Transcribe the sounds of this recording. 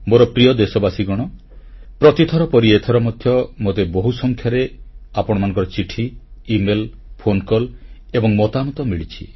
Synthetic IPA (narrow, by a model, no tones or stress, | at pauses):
moɾɔpɾijɔd̪esɔbasiɡɔɽ̃ɔ | pɾɔt̪it̪ʰɔɾɔpɔɾiet̪ʰɔɾɔmɔd̪ʱjɔmot̪eboɦusɔŋkʰjaɾeapɔɽ̃ɔmanɔ̃ŋkɔɾɔt͡ʃiʈʰiːmelpʰonkɔlebɔŋmɔt̪amɔt̪ɔmiɭit͡ʃʰḭ